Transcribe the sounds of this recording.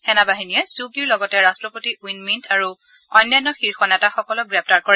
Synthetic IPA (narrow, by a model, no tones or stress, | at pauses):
hɛnabaɦinijɛsukiɹlɔɡɔtɛɹastɹɔpotiwinmintʰaɹu | ɔjnːajnɔxiɹxɔnɛtaxɔkɔlɔɡɹɛp̚ʰtaɹkɔɹɛ